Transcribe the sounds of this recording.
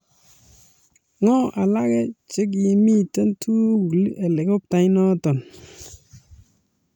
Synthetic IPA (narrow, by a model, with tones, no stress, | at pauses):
ŋɔ˦ʔa˨la˦kɛ˦t͡ʃe˦k̬ji˨mi˦˨tɛ˦ntʰu˦klʔɛ˨le˨ko˦p̚ta˨jnɔ˦tɔ˨n